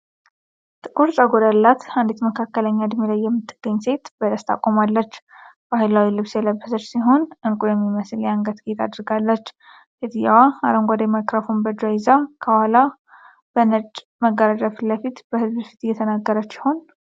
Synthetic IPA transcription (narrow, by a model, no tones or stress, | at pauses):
t̪ʼɨkʼuɾt͡ʃʼəɡod̪alːat̪and̪et̪məkʰakːələɲːad̪milajːɛmːɨt̪ːɨɡ̥ːəɲːse̞t̪bəd̪əst̪ʰa̰kʼːomalːət͡ʃːb̥ahajlawilɨβsjɛləbːəsət͡ʃːsiɦo̞nɨŋkʼujɛmːiməsɨljaŋɡət̪ɡet̪ʰad̪ɾɡalːət͡ʃː | fit̪ʼjawaa̰ɾəŋɡʷad̪əjmakɾəfombəd͡ʒajɪzakʰəwala | b̥ənət͡ʃʼː | məɡːəɾad͡ʒafləfit̪bəhɨzbfi̥t̪jːɛt̪ʰənaɡːəɾət͡ʃːi̥ho̞n